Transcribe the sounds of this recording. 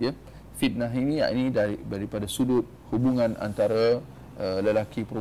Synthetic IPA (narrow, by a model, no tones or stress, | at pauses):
jə | fit̪̚naɦinĩa̰ḭnĩdadaɾipadasulʊt̪̚hubuŋãna̰nt̪aɾa | ələlakipɾo